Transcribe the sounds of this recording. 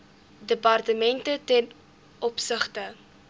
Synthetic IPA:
dəpɐrtəmɛntətɛn | ɔpsəχtə

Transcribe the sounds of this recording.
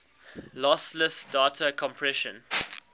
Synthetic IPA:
lɔsləsdatʰəkʰɔ̃mpʰɹɛʃə̰̃n

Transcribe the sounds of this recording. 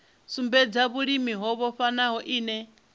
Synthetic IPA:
sumbɛd͡zaβuɺimiɦɔβɔɸanaɦɔʔiːnɛ

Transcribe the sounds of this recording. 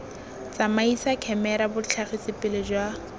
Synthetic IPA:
t͡samaisakʰɛmɛɾabʊt͡ɬʰaχisɪpɪlɪd͡ʒwa

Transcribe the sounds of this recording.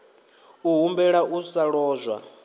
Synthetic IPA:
uɦumbɛɺaʔusaɺɔːzʷwa̰

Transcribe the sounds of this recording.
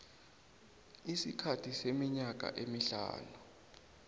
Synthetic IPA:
isikʰatʰisemiɲak̬ʼa̰ʔemiɬa̰ːnu

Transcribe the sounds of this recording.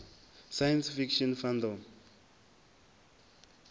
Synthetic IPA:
sajansfikʃɔnfand̪ɔm

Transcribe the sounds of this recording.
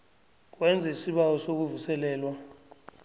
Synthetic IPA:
k̬wɛnd͡zʱaisiɓawɔsok̬uvusɛlɛːlwa

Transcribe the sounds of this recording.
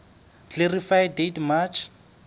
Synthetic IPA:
kerifajdetmat͡ʃʰ

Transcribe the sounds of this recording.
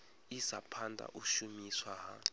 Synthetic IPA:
isapʰandʼa̰ʔuʃumiswaɦa

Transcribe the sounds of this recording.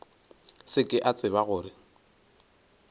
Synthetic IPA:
sɪkʼɪʔat͡sʼɪβaɣʊːɾɪ

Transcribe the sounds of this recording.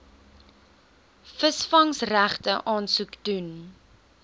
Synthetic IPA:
fəsfɐŋsræχtəʔɑːnsukdun

